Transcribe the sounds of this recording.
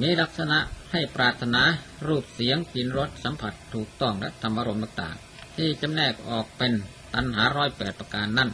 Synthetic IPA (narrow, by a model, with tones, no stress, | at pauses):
miː˨˦˥la˦˥k̚sa˧na˧ʔha˥˩jpɾaː˨˧˩t̪ʰːa˧naː˨˦ɾuː˥˩p̚si˨˦əŋt͡ɕi˧˩nɾo˦˥t̪̚sa˨˦mpʰa˧˦˩t̪ʰːuː˨˩k̚t̪ɔ˧˩ŋlɛ̰˦˧˥ʔt̪ʰa˧mʔaː˧ɾo˧mt̪aː˧˩ŋt̪a̰ː˨˩ŋ | t̪ʰiː˧˩t͡ɕa˧mnɛː˧˩k̚ʔɔː˨˩k̚pe˧n | t̪a˧nɦaː˩˦˥ɾɔː˧˥˩jpɛː˨˩t̪̚pɾa˧kaː˧nːa˥˩n